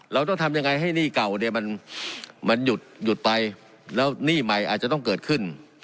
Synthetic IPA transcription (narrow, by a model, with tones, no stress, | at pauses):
ɾa˧wt̪ɔ˥˩ŋt̪ʰa˧mja˧ŋa˧jɦa˥˩jniː˥˩ka˨˩wne˧˩ma˧n | ma˧nju˨˩t̪̚ju˨˩t̪̚pa˧j | lɛː˦˥wniː˥˩ma˧jʔaː˨˩t̪̚t͡ɕa˨t̪ɔ˥˩ŋkɤː˨˩t̪̚kʰɯ˥˩n